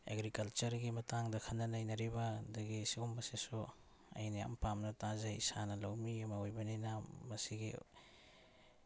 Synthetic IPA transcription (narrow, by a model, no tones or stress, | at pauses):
ḛɡɾikɐlt͡ʃɐɾɡimɐtaŋdɐkʰɐnːɐnɐjnɐɾibɐdɐɡisiɡumːɐsesu | ɐ̰jnija̰mpamnɐtazajsanɐlawmiɐmɐojbɐninamɐsiɡi